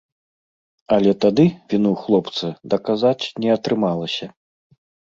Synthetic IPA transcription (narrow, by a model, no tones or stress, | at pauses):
ɐlʲɛt̪ad̪ɨvʲinuwxlˠɔpt̪sɐd̪ɐkazat͡sʲnʲɛɐt̪ɾɨmalˠɐsʲɐ